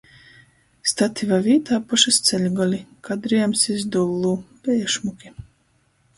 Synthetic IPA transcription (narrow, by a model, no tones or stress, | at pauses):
st̪at̪ʰivaviːt̪aːpɔʃast̪sʲɛlʲɡɔlʲikad̪ɾijɛmsizd̪ulˠːuːbɛɛʃmukʲi